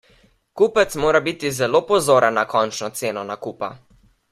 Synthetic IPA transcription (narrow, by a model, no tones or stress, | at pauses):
kuːpət̪smoːɾabiːt̪izɛloːpɔzoːɾənːakɔnt͡ʃnɔt̪seːnɔnakupa̰